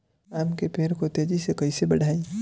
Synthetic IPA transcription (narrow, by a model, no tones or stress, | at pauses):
aːmkepʰeːɾkot̪ed͡ʒisekɐisebɐɽ̤ʱaːi